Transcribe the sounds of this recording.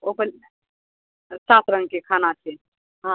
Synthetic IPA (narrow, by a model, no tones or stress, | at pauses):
opəl | sat̪ɾəŋɡ̚kekʰanat͡ʃʰɛ | ɦã